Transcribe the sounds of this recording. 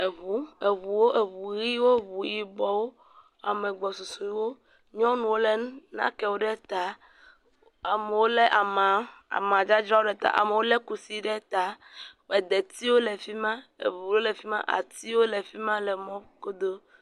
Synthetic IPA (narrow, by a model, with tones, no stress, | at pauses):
e˨βu˦e˨βu˨wo˦ʔe˨βu˨ɣi˦wo˦βu˨ji˨bɔ˨wo˦ | a˨mẽ˨ɡ͡bɔ˨su˨so˨i˦wo˦ | ɲɔ̃˦nũ˨wo˦lɛ˦nũ˦nã̰˦kɛ˨wo˦ɖɛ˦t̪a˨ | a˨me˨wo˦lɛ˦ʔa˨mã˨a̰˨mã˨d͡ʒa˦d͡ʒɾa˦wo˦ɖɛ˦t̪a̰˦˨ʔa̰˨me˨wo˦le˦ku˨si˦ɖɛ˦t̪a˨wɛ˨d̪e˨t̪i˦wo˦le˨fi˦mã˦ḛ˨vu˨˦lo˦le˨fi˦mã̰˦ʔa̰˨t̪i˦wo˦le˨fi˦mã˦lɛ˨mɔ̃˦ko˦d̪o˦